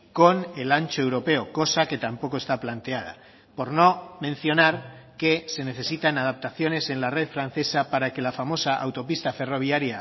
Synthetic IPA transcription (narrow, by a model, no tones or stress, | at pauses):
ko̞ne̞lant͡ʃoe̞wɾo̞pe̞oko̞sake̞t̪ampo̞ko̞e̞st̪aplant̪e̞að̞a̰ | po̞ɾno̞mẽ̞n̟θjo̞naɾke̞se̞ne̞θe̞sit̪anað̞ap̚t̪aθjo̞ne̞se̞nlare̞ðfɾan̟θe̞sapaɾake̞lafamo̞saʔa̰wt̪o̞pist̪afe̞ro̞β̞jaɾja